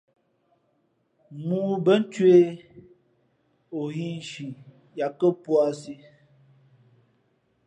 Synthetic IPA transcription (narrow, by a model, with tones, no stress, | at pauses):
muː˦bə˦n̩˦t͡ʃwe˦ | o˨ɣi˦n˨ʃi˨ | ja˨kə˦pwa˦si˦